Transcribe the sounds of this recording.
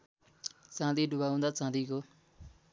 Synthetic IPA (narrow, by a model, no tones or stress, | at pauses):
t͡sãːd̪iːɖʊbaːũːnd̪aːt͡sãːd̪iːkoː